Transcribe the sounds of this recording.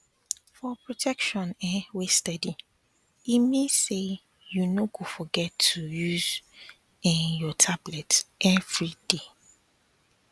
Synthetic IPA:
fɔpɹotʰɛkʃɔ̃nɛwestɛdi | imĩse | junoɡofɔɡɛtʰːujuz | ɛnjɔtʰablɛtʔɛvɹid̥e

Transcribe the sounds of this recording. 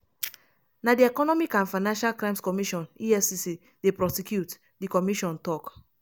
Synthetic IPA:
nadiɛkɔnɔmikãnfaɪnãnʃalkɹãɪ̃mskɔmiʃɔ̃niɛsisi | depɹɔsɛkjut | dikɔmiʃɔ̃ntɔk

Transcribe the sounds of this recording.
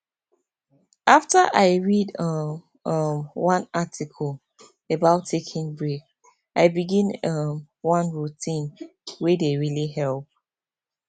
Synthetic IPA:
ʔaftəʔaɪɹidʌ | ʌmwʌ̃natʰikʰəlˠ | əbaʊtʰːekʰĩŋbɹik | ʔaɪbiɡĩnʌm | wʌ̃nɹutʰĩnwedeɹiliɦɛlˠp̚

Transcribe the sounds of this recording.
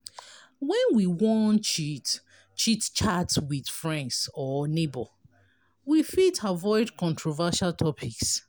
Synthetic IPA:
wɛ̃nwiwɔ̃nt͡ʃit | t͡ʃitt͡ʃatswið̥fɹɛ̃ndsɔnebo | wifitavɔɪdkɔ̃ntɹɔvaʃaltʰɔpʰiks

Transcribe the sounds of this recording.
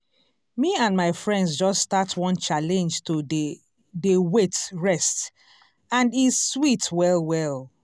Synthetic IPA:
miãnmaɪfɹɛ̃ndzd͡ʒɔsːtatwɔ̃nt͡ʃalɛ̃nd͡ʒtʰode | dewetɹɛst | ãndizswitwɛlwɛlˠ

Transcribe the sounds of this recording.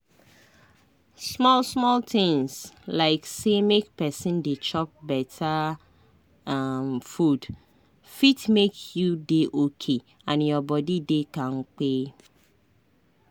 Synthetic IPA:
smɔlsmɔlt̪ɪ̃ŋslaɪksemek̚pɛsɪ̃ndet͡ʃɔp̚bɛtʰa | mfud | fitmekjudeʔokʰe | ãnjɔbɔdidekãŋ̩k͡pe

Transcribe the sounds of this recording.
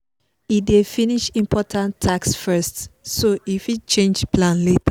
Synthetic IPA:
idefiniʃĩmpʰɔtʰãntʰːaksfɜstsoifit͡ʃẽnd͡ʒpʰlãnlet

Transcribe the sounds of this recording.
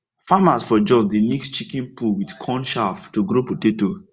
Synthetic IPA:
famasfɔd͡ʒɔsdinɛkstt͡ʃikɛ̃npulwidkʰɔ̃nʃaftoɡɾopoteto

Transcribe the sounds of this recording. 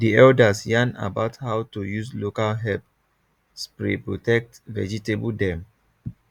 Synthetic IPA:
diɛldasjãna̰baʊthaʊtujuslokalɦɛp̚ | spɹepɹotɛk̚tvɛ̰d͡ʒitebdɛ̃m

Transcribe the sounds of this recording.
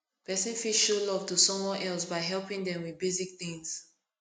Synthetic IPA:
pɛsɛ̃nfiʃolɔv̥tusɔ̃mwɔ̃nɛlˠs̬baɪɦɛlˠpĩŋdɛ̃mwiðbezik̚θĩŋs

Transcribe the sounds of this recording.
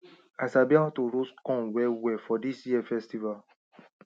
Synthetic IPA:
asabiɔtoɾoskɔ̃nwɛwɛfɔdisjiɛfɛstival

